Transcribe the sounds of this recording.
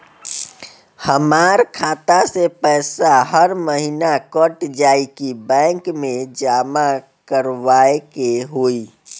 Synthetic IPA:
həmaːɾkʰaːt̪asepɛːɪsaɦəɾməɦinakəʈd͡ʒaːikibɛ̃ːŋkmẽd͡ʒaːma | kəɾwaːekeɦoːi

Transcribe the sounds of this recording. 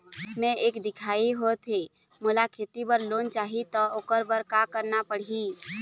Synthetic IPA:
mẽʔeːkd̪ɪkʰaːiɦoːt̪ɦe | molakʰeːt̪ibəɾloːnt͡ʃaːɦit̪ɔoːkəɾbəɾkakəɾnapəɽ̤i

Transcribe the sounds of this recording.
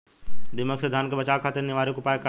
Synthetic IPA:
d̪ɪməksed̪ʱaːnkʰebɐt͡ʃaːkʰaːt̪enɪʋaːɾikʊpaːeka

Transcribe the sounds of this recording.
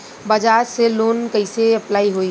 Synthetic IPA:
bəd͡ʒaːɾseloːnkəɪseəplaːiɦoi

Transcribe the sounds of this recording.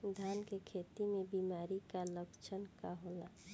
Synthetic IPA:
d̪ʱaːnkekʰet̪imẽbimaːɾikaləkt͡ʃʰənkaɦola

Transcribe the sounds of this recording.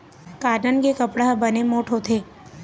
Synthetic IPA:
kaːɾnənkekəpɽaɦbənemoːʈʰɦot̪ʰeː

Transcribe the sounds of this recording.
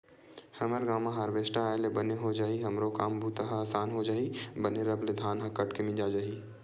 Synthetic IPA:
hɐməɾɡaːmãɦaɾʋeːʃʈaaːelebɐneɦod͡ʒaːiɦɐmɾokaːmbʱuːt̪əɦaaːsaːnɦod͡ʒaːibɐneɾɐbled̪ʱaːnɦɐkəʈkemɪ̃d͡ʒaːd͡ʒaːɦiː

